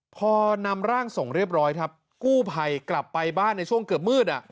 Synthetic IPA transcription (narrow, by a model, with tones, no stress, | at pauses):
pʰɔː˧na˧mɾaː˥˩ŋso˨˩˦ŋɾi˥˩əp̚ɾɔː˦˥jkʰɾa˦˥p̚ | kuː˥˩pʰa˧jkla˨˩pːa˧jbaː˥˩nːa˧jt͡ɕʰu˥˩əŋkɤː˨˩p̬̚mɯː˥˩t̪̚ʔa˨˩ʔ